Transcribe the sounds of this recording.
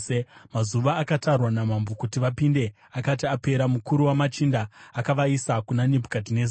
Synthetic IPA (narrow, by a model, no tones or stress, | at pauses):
emazuʋaːkatarwanamambokutiʋapinde̞ | akatiape̞ɾamukuɾuwamat͡ʃindaːkaʋaisakunanebʱu̥katineza